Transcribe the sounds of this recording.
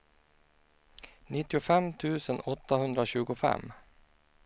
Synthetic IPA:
nɪt̪ːɪʊfɛmt̪ʰʉːsənɔt̪ːahɵnd̪ɾaɕʉːɡʊfɛ̰m

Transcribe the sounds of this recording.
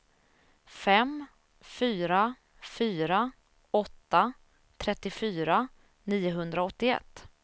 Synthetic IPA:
fɛm | fyːɾa | fyːɾa | ɔt̪ːa | t̪ʰɾɛt̪ːɪfyːɾa | niːʊɦɵnd̪ɾaɔt̪ːɪɛ̰t̪ː

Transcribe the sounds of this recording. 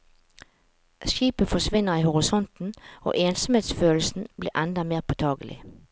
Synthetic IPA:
ʃiːpəfɔʂʋɪnːəʁiːhʊʁɪsɔnt̪n̩o̰ːʔeːnsɔmeːt̪sføːlsn̩blḭːʁʔɛnd̪ɑmeːʁpʰot̪ʰɑːɡəlʔɪ̰

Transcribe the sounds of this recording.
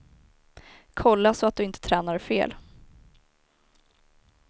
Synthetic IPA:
kʰɔlːasɔat̪̚d̪ɵɪnt̪ʰə̥t̪ʰɾɛːnaɾfḛːl

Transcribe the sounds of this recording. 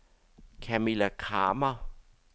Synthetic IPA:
kʰɛmilakʰa̰ːma

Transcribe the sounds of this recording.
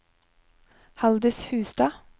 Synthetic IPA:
hɑld̪əshʉːsd̪ɑː

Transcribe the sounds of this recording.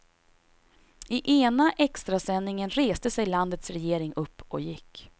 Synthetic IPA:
ɪʔeːnaʔɛkst̪ɾasɛnːɪŋənɾeːst̪əsɛjland̪ət̪sɾɛjeːɾɪŋɵpːɔjɪkː

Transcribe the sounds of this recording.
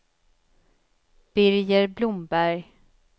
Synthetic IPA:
b̥ɪɾjəɾblʊmbæɾj

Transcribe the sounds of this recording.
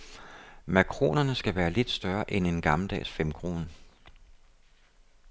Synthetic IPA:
mækʰʁo̝̰ːnɐnəsɡ̥æʋæːɐle̝d̥sd̥ɶɐʔene̝nɡ̥ɑ̈ml̩d̥ɛ̰ːsfem̰kʰʁo̝ːnə

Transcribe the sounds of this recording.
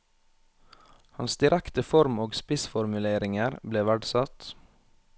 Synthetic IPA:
hɑ̰nsd̪ɪɾækt̪əfɔɾmoːɡspɪsfɔɾmʉleːɾɪŋəɾbleːʋæɖsɑt̪

